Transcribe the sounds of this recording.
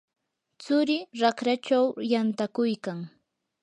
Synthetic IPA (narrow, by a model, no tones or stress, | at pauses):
t͡sʊɾɪɾakɾat͡ʃawjant̪akʊjkaŋ